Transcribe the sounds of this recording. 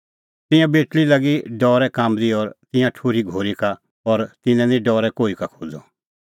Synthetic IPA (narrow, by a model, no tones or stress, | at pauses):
t̪ɪ̃jãbeːʈɭilɐɡiɖɔːɾɛkaːmd̪iɔːɾt̪ɪ̃jãʈʰoːɾiɡʱoːɾika | ɔɾt̪ɪnɛ̃nĩɖɔːɾɛkoːikakʰoːd͡zɔ̰